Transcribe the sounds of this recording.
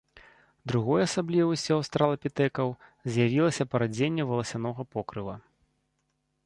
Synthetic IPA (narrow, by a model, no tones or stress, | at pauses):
d̪ɾuɣɔjɐsablʲivusʲɛst̪ɾalˠɐpʲit̪ɛkɐwzʲjavʲilˠɐsʲɐpɐɾad͡zʲenʲːɛvɐlˠɐsʲanɔɣɐpɔkɾɨvɐ